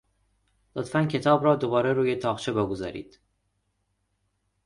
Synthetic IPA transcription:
lot̪fæncʰe̞t̪ʰɒːbɾɒːd̪o̞bɒːɾeɾuːjet̪ʰɒːʁt͡ʃʰe̞beɡozɒ̰ːɾḭːd̪̥

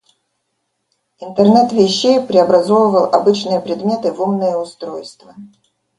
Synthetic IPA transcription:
ɪnt̪ərnɛt̪vʲɪɕːejpɾʲɪɐbɾɐzo̞vəvəlˠɐbɨt͡ɕnɨjəpɾʲɪd̪mʲe̞t̪ɨvumnɨjəʊst̪ɾojst̪və

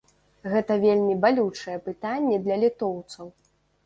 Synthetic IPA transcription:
ɣɛt̪ɐvʲelʲmʲibalʲut͡ʂɐjɛpɨt̪anʲːɛd̪lʲɐlʲit̪ɔwt̪sɐw

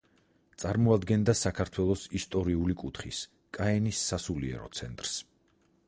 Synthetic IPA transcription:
t̪sʼaɾmɔad̪ɡɛnd̪asakʰaɾt̪ʰwɛlˠɔsist̪ʼɔɾiulikʼut̪ʰχis | kʼaɛnisːasuliɛ̰ɾɔ̰t̪sʰɛnt̪ʼɾs

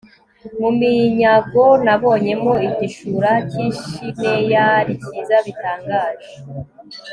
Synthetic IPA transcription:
mumiɲaɡo̞naβo̞ːɲe̞mo̞iɟiʃuɾaciːʃine̞jaɾiciːzaβitaːŋɡaːʒe

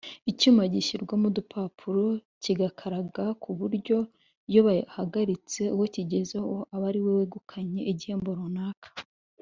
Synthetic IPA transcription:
icumaɟiɕiɾɡomudupʰapʰuɾo̞ | ciɡakʰaɾaɡakʰuβuɾɟo̞ | joβahaɡaɾit͡se̞uwo̞ciɟe̞zehoʔaβaɾiweweɡukʰaɲe̞ʔiɟihe̞ːmbo̞ɾunaːkḁ

